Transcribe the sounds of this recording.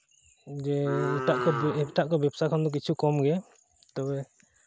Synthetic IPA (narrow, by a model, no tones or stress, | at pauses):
d͡ʒɛuʈaʔkɔʈaʔkɔbɛpsakʰand̪ɔk̬it͡ʃʰukɔmɡɛ | t̪ɔbɛ